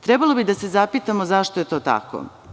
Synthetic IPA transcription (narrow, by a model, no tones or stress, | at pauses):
t̪ɾebalˠobid̪ase̞zapiːt̪amo̞zaʃt̪ojet̪o̞ːt̪a̰ko̰